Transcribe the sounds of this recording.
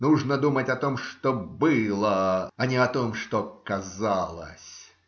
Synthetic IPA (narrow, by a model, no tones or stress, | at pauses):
nuʐnəd̪umətʲɐt̪omʂt̪obɨlˠəɐnʲɪɐt̪omʂt̪okɐzalˠə̰sʲ